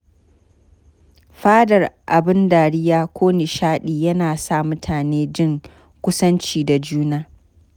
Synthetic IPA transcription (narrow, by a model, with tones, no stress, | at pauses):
ɸaː˦dɐ˨rʔa˨bɪ˦ndaː˨ɽɪ˦jaː˦kʷʰoː˦nɪ˨ʃaː˦ɗiː˨jɐ˦naː˨sa˦˨mʊ˦tʰaː˨neː˦d͡ʒɪ˦˨ŋ | kʷʊ˦sɐ˦nt͡ʃiː˦˨da˨d͡ʒuː˦naː˦